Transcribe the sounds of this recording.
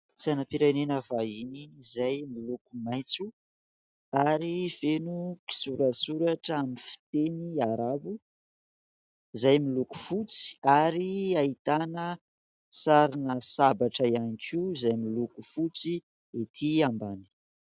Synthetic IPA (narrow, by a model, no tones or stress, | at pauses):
t͡sianapiɾajnenəvainizajmilukumajt͡su | aɾivenuki̥suɾəsuɾaʈ͡ʂamifi̥t̪eniaɾabu | zajmiluku̥fut͡si̥aɾiait̪anə | saɾinəsabaʈ͡ʂəianikʰizajmilukufut͡si | et̪ʰiambani̥